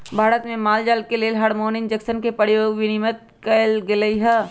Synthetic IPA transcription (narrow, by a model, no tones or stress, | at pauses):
bʱaːɾət̪mẽmaːld͡ʒaːlkeleːlɦaɽmoːnɪnd͡ʒəksənkepəɾjoːɡʋɪnɪmət̪̚ | kəlɡeləiɦɛː